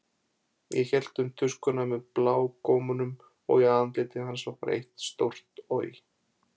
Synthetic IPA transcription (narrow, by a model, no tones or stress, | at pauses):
jɛçɛl̥t̪ʏmt̪ʰʏskʏnamɛðplaːwkɔːmʏnʏm | ɔ̰ɣjɛant̪lɪːt̪ɪhansɔhkaɾʔḛht̪st̪owr̥t̪o̰ɥ